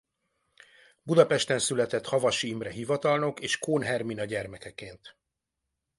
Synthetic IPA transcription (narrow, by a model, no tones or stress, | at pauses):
bud̪ɒpɛʃt̪ɛnsylɛt̪ɛt̪hɒvɒʃiːmrɛɦivɒt̪ɒlno̞keːʃkoːnɦɛrminɒɟɛrmɛkɛkeːnt̪